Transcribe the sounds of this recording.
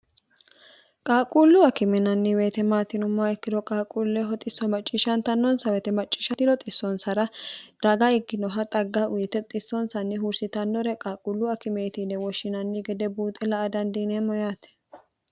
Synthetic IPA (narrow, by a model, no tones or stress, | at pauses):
kʼaːkʼuːlːʊɐkɪmɛnɐnːɪweːt̪ɛmaːt̪ɪnʊmːɐɛkːɪd̪ɔkʼaːkʼuːlːɛɦɔt̪ʼɪsːɔmɐt͡ʃʼːiːʃɐnt̪ɐnːɔnsɐwɛt̪ɛmɐt͡ʃʼːi̥ːʃɐt̪ɪlɔt̪ʼɪsːɔnsɐɾɐd̪ɐɡaɪɡːɪnɔɦɐt̪ʼɐɡːaʔʊjɛt̪ɛt̪ʼɪsːɔnsɐnːɪɦʊɾsɪt̪ɐnːɔɾɛkʼaːkʼulːʊɐkɪmeːt̪inɛwɔʃːɪnɐnːɪɡɛd̪ɛbuːt̪ʼɛlɐʔɐd̪ɐnd̪inɛmɔjaːt̪ɛ̥